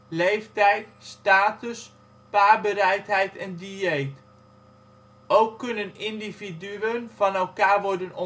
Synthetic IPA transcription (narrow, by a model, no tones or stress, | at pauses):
lejftɛjtstaːtəs | paːbəɾɛjtɦɛjtɛndyejt | ʔowkːɵnənɪndividyənv̥ɑnɛlˠkaːɹʋɔɹdənɔ